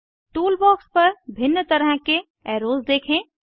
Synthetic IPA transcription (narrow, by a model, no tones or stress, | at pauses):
ʈuːlbɔːkspəɾbʱɪnːət̪əɾɦə̃ke | ɛɾoːzd̪eːkʰẽ